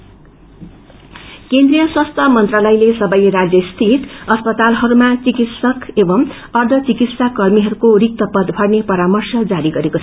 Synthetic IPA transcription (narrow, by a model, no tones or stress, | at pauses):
kend̪rijʌswast̪ʰʌmʌnt̪ralʌjlesʌbʌjɾad͡zjʌst̪ʰiʈʌspʌt̪alɦʌɾumat͡sikit̪sʌkebʌm | ʌrd̪ʱʌt͡sikit̪sakʌrmiɦʌɾukorik̚t̪ʌpʌd̪bʱʌrnepʌɾamʌrsʌd͡zaɾiɡʌɾekot͡sʰ